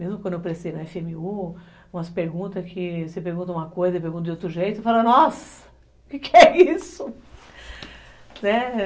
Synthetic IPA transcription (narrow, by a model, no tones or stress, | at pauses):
mezmʊkwɐ̃d̪ʊewpeɾesejnɐɛfẽmɪu | ũmɐspeɾɡũnt̪ɐkʰɪsepeɾɡũnt̪ɐũmɐkojzɐɪp̬eɾɡũt̪ɐd͡ʒ̪ɪot̪ɾʊʒejt̪ʊefalɐnɔs | ʊkɪkɪɛisʊ | nɛ